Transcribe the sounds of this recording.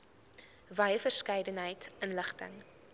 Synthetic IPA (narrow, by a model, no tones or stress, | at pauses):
vɐjəfərskɛjdənɦəjtənləχtə̰ŋ